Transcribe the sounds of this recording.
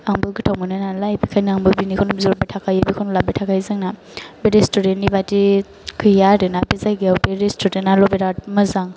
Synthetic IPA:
aŋbɯlɡɯtʰawmɯnɯnalajbikʰajnaaŋbɯbinikʰawnubizoɾbetʰakʰajɯbikʰawnlabetʰakʰajzɯŋna | beɾestudenːibati | kʰɯjaɾɯnabizajɡiawbeɾistudenalɔbeɾat̚mɯzaŋ

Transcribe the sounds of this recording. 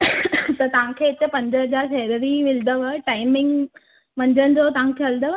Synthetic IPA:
t̪ɐt̪ɐʋ̤ãkʰeːɪt͡ɕ̪əpɐ̃ɲd͡ʑəɦəd͡ʑaːɾfeɾəɾiʋɪld̪əʋəʈaːɪmɪ̃ŋɡ | mɐ̃ɲd͡ʑənɪ̆d͡ʑot̪ɐʋ̤ãkʰeɦɐld̪əʋ

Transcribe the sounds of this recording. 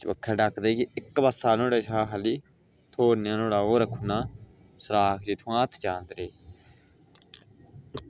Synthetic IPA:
t͡ʃbə̰kʰːɛːɖakʰd̪eːkiɪkːbasaːnõːɽeːʃaːɦʰəliː | t̪ʰoːɾnjãːnoːɽaːoːɾəkʰːuːnãː | səɾaːkʰd͡ʒiːt̪ʰũãːt̪ʰd͡ʒãːnd̪ɾeː

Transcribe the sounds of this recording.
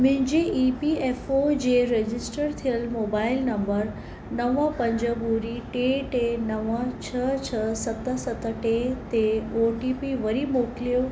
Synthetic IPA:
mʊ̃ɦɪ̃ɲd͡ʑeʔiːpieːfod͡ʑeːɾed͡ʑɪsʈəɾt̪ʰijəlmoːbaːɪlnɐ̃mbəɾ | nɐʋə̃pɐ̃ɲd͡ʑəbuːɾiʈeːʈenɐʋə̃t͡ɕʰət͡ɕʰəsɐt̪əsɐt̪əʈet̪eoːʈipiʋɐɾimoːkɪlijo

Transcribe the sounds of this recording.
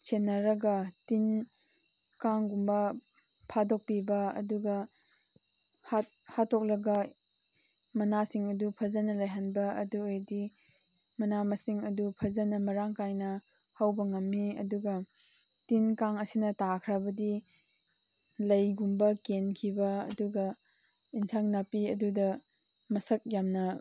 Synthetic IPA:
sʰenːɐɾɐɡɐtin | kaŋɡumbɐ | pʰadok̚pibɐɐ̰duɡɐ | hat̚ | hatʰːok̚lɐɡɐ | mɐnasiŋɐdupʰɐzɐnɐlɐjɦanbɐɐ̰duojdi | mɐnamɐsiŋɐdupʰɐzɐnɐmɐɾaŋkajnɐ | hawbɐŋɐmːiɐ̰duɡɐ | tinkaŋɐsinɐtakʰɾɐbɐdi | lɐjɡumbɐkenkʰibɐɐ̰duɡɐ | insʰaŋnapiɐdudɐ | mɐsɐk̚jamnɐ

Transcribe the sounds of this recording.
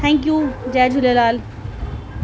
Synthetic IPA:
t̪ʰɛ̃ːŋk̬juːd͡ʒɛːd͡ʑʊlelaːl

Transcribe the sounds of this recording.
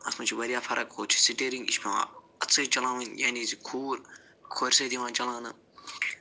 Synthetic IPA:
ɐ̰smɐt͡ʃʰiʋɐɾijaːfʰɐɾʔɐkhoːt͡ʃʰi̥siʈeɾĩŋɡḭʃmʲeʋã̰ | ɐt͡sʰːɨːt͡ʃɐlãːʋɐnjanizikʰuːɾ | kʰoɾʲsed̪iʋãːt͡ʃɐlãːnɨ

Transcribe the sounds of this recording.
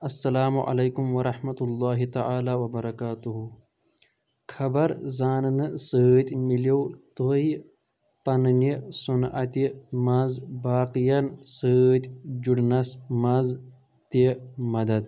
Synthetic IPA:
ɐsːɐlaːmuʔɐ̰lɐjkumwɐɾˤɐħmɐt̪ulːaːɦit̪ɐʕaːlaːwɐbɐɾɐkaːt̪uɦu | kʰɐbɐɾzaːnnɨsət̪ʲmiliwt̪oi | pɐnnisunʔɐ̰t̪imɐzbaːqijɐnsət̪ʲd͡ʒuɽnɐsmɐz | t̪emɐd̪ɐd̪

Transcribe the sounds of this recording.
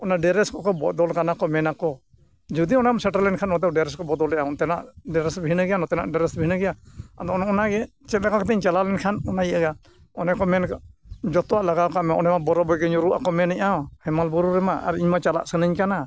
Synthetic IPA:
ɔnaɖɛɾɛskɔkɔbɔd̪ɔlkanakɔmɛnakɔ | d͡ʒud̪iɔnamsɛʈaɾlːɛnkʰanɔt̪ɛɖɛɾɛskɔbɔd̪ɔlɛʔaɔt̪ɛnaʔɖɛɾɛsbʱiinaɡɛjanɔt̪ɛna̰ʔɖɛɾɛsbiinəɡɛjaad̪ɔnɔnaɡɛ | t͡ʃɛt̪̚lɛkakɔt̪ɛiɲt͡ʃalalɛnkʰanɔnajiʔaɡa | ɔnɛkɔmɛnd͡ʒɔt̪ɔwaʔlaɡawkamɛʔɔnɛmabɔɾɔbɔjɡɛɲuɾuʔakɔmɛnɛʔahɛmalbɔɾuɾɛmaʔa̰ɾiɲmat͡ʃala̰ʔsənəɲkana

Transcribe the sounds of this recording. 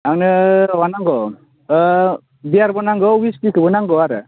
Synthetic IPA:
awnɯwanaŋɡɔ | bijaɾbɔnaŋɡɔwiskikʰɯbɔnaŋɡɔwaɾɯ

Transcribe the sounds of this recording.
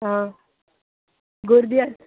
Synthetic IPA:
ɦã | ɡoɾd̪ia

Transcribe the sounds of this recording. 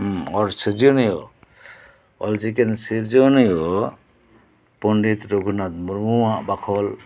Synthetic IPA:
ɔɾsəd͡ʒɔnjɔ | ɔlt͡ʃikensiɾd͡ʒɔnjɔ | pɔɳɖit̪ɾoɡʱunat̪̚muɾmuwãʔbakʰɔl

